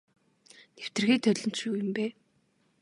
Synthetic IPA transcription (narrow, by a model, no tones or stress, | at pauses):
new̥t̪ɘ̆rɣiːt̪ʰœɮɞ̆n̥t̪ʃuːjɵ̆mpæː